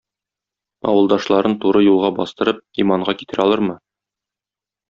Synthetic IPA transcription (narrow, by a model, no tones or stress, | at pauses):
ɒ̰wɤ̆lˠd̪ɑʃlˠɑɾɤnt̪uɾɤjulˠʁɑbɒst̪ɤ̆ɾɤp̚imɑɴʁɑki̥t̪ɘɾɒlˠɤɾmɤ